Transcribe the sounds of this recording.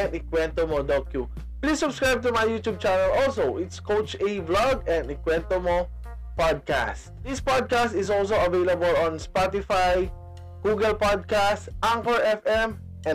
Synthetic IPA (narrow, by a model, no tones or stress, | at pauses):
ɛ̃nd̪ɪkwɛ̃nt̪omod̪ɔt̪̚ju | plisːʊbskɹajb̚t̪ʊmajːut̪ub̚t͡ʃanɐlɔlsowʔɪt̪skowt͡ʃeblaɡɛ̃nd̪ɪkwɛ̃nt̪omo | pad̪̚ka̰std̪ɪspad̪̚kast̪ɪzɔls̬oɐvelɐbəlɔ̃nspat̪ɪfaj | ɡ̥uɡɛlpad̪̚kast̪ʔaŋkɔɹʔɛfɛm | ʔɛ̃